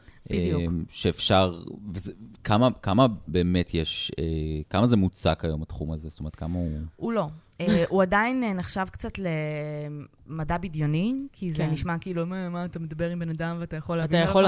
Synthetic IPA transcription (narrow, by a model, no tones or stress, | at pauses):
bemʃeːfʃaʁvezekamakamabe̞ːmetʰjɛʃekamazemut͡sakhajo̞matχumazest̪omeətkamauulo̞ | eʔuadainneχʃavkt͡satle | madabidjonikʰizeniʃmakiiːlumamat̪amed̪abeʁimbenadamveatajaχo̞lavajao